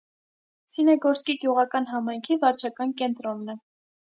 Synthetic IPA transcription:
sinɛɡɔɾskiɡjuʁɑkɑnɦɑmɑjŋkʰivɑɾt͡ʃʰɑkɑnkɛnt̪ɾɔnːə

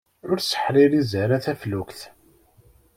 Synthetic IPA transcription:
ʊɾsə̥ħɾiɾizəɾæθæflukθ

